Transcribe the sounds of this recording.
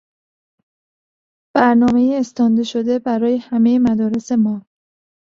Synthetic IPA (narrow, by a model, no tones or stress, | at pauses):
b̥æɾnɒːmejiːst̪ɒːnd̪eʃo̞d̪e̞bæɾɒːje̞hæmejemæd̪ɒːɾe̞se̞mɒː